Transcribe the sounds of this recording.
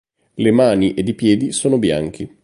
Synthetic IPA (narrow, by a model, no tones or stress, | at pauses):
lemaːniʔed̪ipjɛːd̪isoːnobja̰ŋk̟ʰe